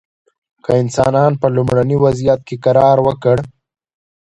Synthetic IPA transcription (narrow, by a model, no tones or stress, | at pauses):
kəɪnsɑ̰nɑnpəlumɽaniwazijat̪̚kekaɾɑːɾwəkəɽ